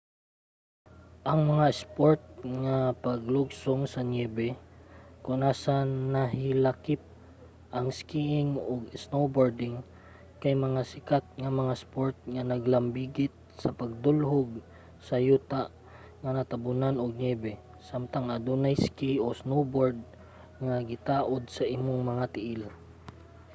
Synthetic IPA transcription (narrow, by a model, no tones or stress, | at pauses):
ʔɐŋmɐŋaspoɹt̪̚ŋapɐɡlʊɡsʊŋsɐɲɛːbɛ | kʊŋʔaːsanɐɦɪlakɪp̚ | ʔɐŋskiʔɪŋoɡsnowboɹd̪ɪŋ | kajmɐŋasɪkat̪̚ŋɐmɐŋaspoɹt̪̚ŋanɐɡlɐmbiɡɪt̪̚sɐpɐɡ̚d̪ʊlɦʊɡ | sɐjuːt̪aʔ | ŋɐnɐt̪ɐbʊnanoɡ̚nɛbɛ | samt̪aŋʔɐd̪unajskiʔosnowboɹd̪̚ | ŋaɡɪt̪aːʔod̪̚sɐʔimoŋmɐŋat̪ɪʔɪl